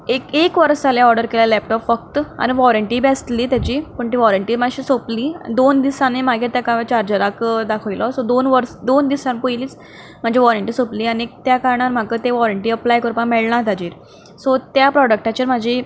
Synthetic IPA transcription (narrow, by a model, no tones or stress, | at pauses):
ekekʋəɾst̪aljaɔɾɖəɾkeljalɛp̚ʈɔpfək̚t̪a̰niʋɔɾəɳʈiːbɛst̪liːt̪jat͡ɕiːpəɳʈ̪iʋɔɾəɳʈiːmaɕiːsopliːd̪ond̪isãnemaɡiːɾt̪akaʋat͡ɕaɾd͡ʑəɾakd̪akʰəʋilɔsɔd̪onʋəɾsd̪ond̪isãnpujliːt͡s | m̤əɳd͡ʑeʋɔɾəɳʈiːsopliːaniek̚t̪jakaɾɳ̃aɾm̤akət̪eʋɔɾəɳʈiːəplajkəɾupəmeɭɳãt̪ad͡ʑiːɾ | sɔt̪japɾɔɖək̚ʈat͡ɕiːɾm̤ad͡ʑʱi